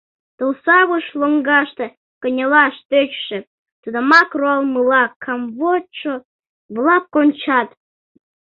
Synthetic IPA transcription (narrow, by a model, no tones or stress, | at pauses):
t̪olsɑɣuʃloŋɡɑʃt̪ɤ̆ | kə̆nʲelɑʃt̪øt͡ɕʃɘ̆ | t̪ud̪əmɑkroɑlˠmɨlɑkʰːɑmvot͡ʃo | βlˠɑp̚konʲt͡ɕɑt̪